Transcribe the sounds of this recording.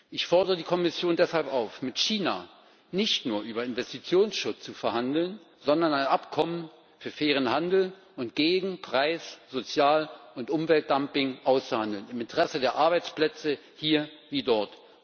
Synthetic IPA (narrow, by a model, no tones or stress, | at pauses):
ʔɪçfɔɐdəʁədiːkʰɔmɪsjoːndɛshalpaʊfmɪtʃiːna̰ | nɪçtnuːɐʔyːbɐɪnvɛstit͡sjoːnsʃʊt͡st͡sufɛɐhandl̩n | zɔndɐnaɪnʔapkʰɔmən | fyːɐfeːʁ̞ənhandl̩ | ʊntɡ̥eːɡŋ̩pʁ̥aɪsz̥ot͡sjaːlʊntʔʊmvɛlt̚d̥ampɪŋʔaʊst͡suhandl̩nɪmɪntəʁɛsədeːɐʔaɐbaɪt͡splɛt͡sə | hiːɐviːdɔɐt